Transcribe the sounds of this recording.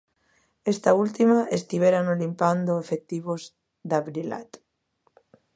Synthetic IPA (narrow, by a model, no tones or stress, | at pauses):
est̪ault̪imaest̪iβeɾanolimpand̪oefek̚t̪iβoz | d̪aβɾila̰t̪